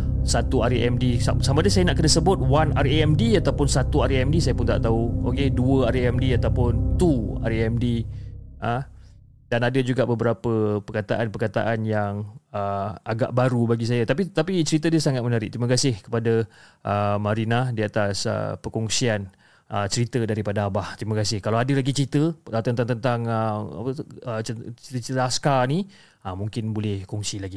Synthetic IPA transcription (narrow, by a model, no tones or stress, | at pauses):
sat̪uaɾiʔɛmdisasamadəsajanaʔkənasəbʊt̪̚wanaɾeɛmdiat̪awpʊnsat̪uaɾiɛmdisajapʊnt̪a̰ʔt̪auokeduəaɾeɛmdiat̪awpʊnt̪ua̰ɾiɛmdiʔə | danadad͡ʒuɡaʔbəbəɾapəpərkat̪a̰ʔanpərkat̪a̰ʔanjaŋəaɡa̰ʔbaɾubaɡis̬ajat̪apit̪apit͡ʃəɾit̪ədiasaŋat̪̚mənaɾɪʔ̚t̪ɾiməkasɪhkə̥padaʔəmaɾinadiat̪asə̰pəkɔŋsian | ʔət͡ʃəɾit̪ədaɾipadaːbaht̪ɾiməkasɪhkalawadɪrlaɡit͡ʃəɾit̪ət̪ənt̪aŋt̪ənt̪aŋəa̰pəəət͡ʃt̪ət͡ʃit̪əaskani | amuŋkɪnbolɛhkɔŋsilaɡi